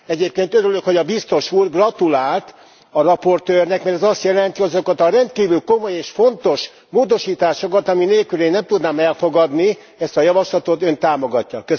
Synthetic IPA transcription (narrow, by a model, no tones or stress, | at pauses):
ɛɟeːp̚keːnt̪øɾyløkho̞ɟɒbist̪o̞ʃuːrɡrɒt̪ulaːlt̪ | ɒrɒpo̞rt̪øːrnɛkmɛrt̪ɛzɒst̪jɛlɛnt̪iɒzokɒt̪ɒɾɛnt̪̚kiːvylko̞mo̞jeːʃfo̞nt̪o̞ʃ | moːd̪o̞ʃiːt̪aːʃo̞kɒt̪ɒmineːlkyleːnːɛmt̪ud̪naːmɛlfo̞ɡɒd̪ni | ɛst̪ɒjɒvɒʃlɒt̪o̞t̪ø̞nt̪aːmo̞ɡɒcːɒkø